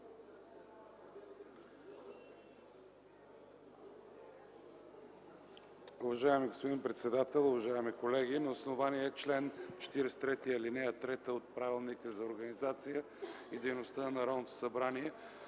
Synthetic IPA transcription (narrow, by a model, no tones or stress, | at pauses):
ʊvɐʒaɛmiɡospod̪inpɾɛt̪sɛd̪at̪ɛlˠʊvɐʒaɛmikolɛɡ̟inɐosnovaniɛːt͡ʃlɛnt͡ʃɛ̥t̪iɾɛst̪ɾɛt̪ijəlinɛjət̪ɾɛt̪əot̪̚pɾavilˠnikəzɐoɾɡənizat̪sijə | id̪ɛjnost̪ənɐɾɔnot̪o̥sɐbɾaniɛ